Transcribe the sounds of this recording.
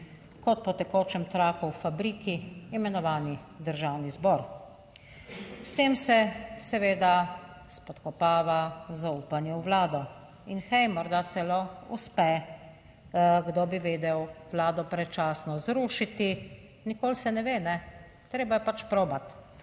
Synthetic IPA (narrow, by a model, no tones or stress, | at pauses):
kɔt̪̚pɔt̪ɛkoːt͡ʃɛmt̪ɾaːkuwfabɾiːkiːmɛnɔʋaːni | d̪əɾʒawnizbɔɾ | st̪eːmsɛsɛʋeːd̪a | spɔt̪kɔpaːʋazauːpanjɛwʋlaːd̪ɔ | inxɛjmɔɾd̪at̪sɛloṵspɛ | ɡd̪obiʋeːd̪ɛwʋlaːd̪ɔpɾɛt͡ʃaːsnɔzɾuːʃit̪i | nikoːlsɛnɛʋeːnɛ | t̪ɾeːbajɛpat͡ʃpɾoːbat̪